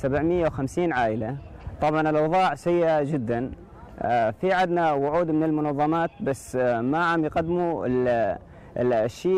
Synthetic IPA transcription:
sabʕmɪjːawxamsiːnʕaːʔɪlat̪ˤɑbʕɑnɪlʔɑwðˤɑːʕsajːʔad͡ʒɪd̪ːan | fiʕad̪nawʊʕuːd̪mɪnɪlmʊnɑðˤːɑmɑːt̪̚basːmaʕamjqad̪ːmuɪl | lʃiː

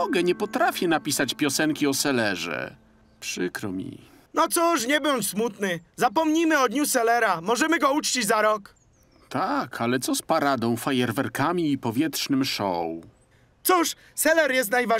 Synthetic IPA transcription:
ɔɡɛɲɛpɔt̪ɾafʲjɛnapʲisat͡ɕpʲjɔsɛŋkʲiɔsɛlɛʐɛ̰ | pʂɘkɾɔmʲḭ | nɔt̪suʂɲɛbɔɲsmut̪nɘzapɔmɲimɘɔd̪ɲusɛlɛɾamɔʐɛmɘɡɔut͡ʂt͡ɕid͡ʑzaɾɔk | t̪ʰakʰalɛt̪sɔspaɾad̪ɔ̃w̃fajɛɾvɛɾkamʲiːpɔvʲjɛt̪ʂnɘmʂɔ̰w | t̪suʂ | sɛlɛɾjɛst̪najva

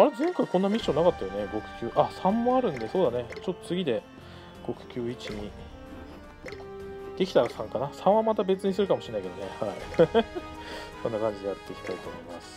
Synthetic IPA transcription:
aɾe̞zẽ̞ŋkaikõ̞nːamʲiɕːõ̞nːakat̪ːajo̞ne̞ɡo̞kɯ̟̥kʲɨːʔasãmːoaɾɯ̟̃nd̪e̞so̞ːd̪ane̞t͡ɕot̪ːo̞t͡sɨɡʲid̪e̞ | ɡ̥o̞kɯ̥kʲɨːit͡ɕiɲ̟i | d̪̥e̞kʲi̥t̪aɾasãŋkanasãɰ̃βãmat̪̬abe̞t͡sɨɲ̟isɨɾɯ̟kamo̞ɕinaiked̪onehaḭ | sõ̞nːakãɲ̟d͡ʑid̪eaɾɯt̪ːekʲi̥t̪ait̪oːmo̞ima̰sɨ̥

